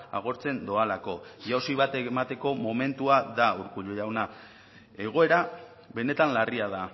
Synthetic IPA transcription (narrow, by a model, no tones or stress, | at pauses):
a̰ɣ̞o̞ɾt͡se̞nd̪oalako̞ʝaosiβ̞at̪emat̪e̞ko̞mo̞me̞nt̪uaðauɾkuʎoʝawna | e̞ɣ̞o̞e̞ɾa | βe̞ne̞t̪anlariaða